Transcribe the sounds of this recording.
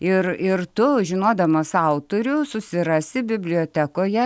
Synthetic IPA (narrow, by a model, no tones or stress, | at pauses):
ɪrɪrt̪ʊʒʲɪnoːd̪ɐmɐsɐʊt̪oːɾʲʊsʊsʲɪɾɑːsʲɪbʲɪbʲlʲɪoːt̪ʲæːkoːjɛ